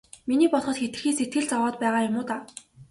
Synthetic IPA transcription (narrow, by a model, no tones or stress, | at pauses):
miniːpɔɮχɞ̆t̪xet̪ɘ̆xiːset̪̚ɡɘ̆ɮt͡sawɔːt̪̚pæːʁaːjʊmʊːt̪aː